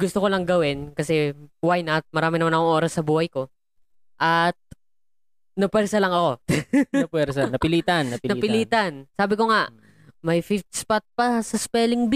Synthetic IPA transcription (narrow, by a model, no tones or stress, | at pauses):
ɡʊst̪okolɐŋɡɐwɪnkɐsɛwajnɐt̪̚mɐɾaːmɪnɐmanɐkoŋʔo̞ːɾɐsːɐbuːhɐjko̞ | ʔɐt̪̚ | nɐpwɛɾsɐlɐŋɐko̞ɐpwɛɾsɐnɐpɪliːt̪anɐpnɐpɪliːt̪ɐnsaːbɪko̞ŋaʔ | mɐjfit̪̚spat̪̚pɐsɐspɛːlɪŋb